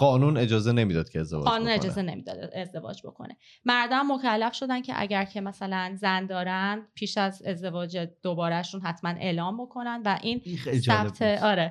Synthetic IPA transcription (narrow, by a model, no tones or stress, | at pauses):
ɢɒːnune̞d͡ʒɒːzene̞miːd̪ɒːd̪̥̚kʰeezd̪evɒ̰ɒːnune̞d͡ʒɒːze̞ne̞̰miːd̪ɒ̰ːd̪eezd̪e̞vɒ̰ːd͡ʒbo̞̰kʰo̞̰ne̞̰ | mæɾd̪ɒæmːo̞cʰælːæfʃo̞d̪æncʰe̞̰ʔæ̰ɟæɾcʰe̞mæsælænzænd̪ɒːɾænd̪̥̚pʰiːʃæze̞zd̪e̞vɒːd͡ʒed̪̥obɒːɾæʃunɦæt̪ʰmænʔe̞̰ːlɒːmbo̞kʰo̞nænd̪væʔiːnsæbt̪ʰeɒːɾe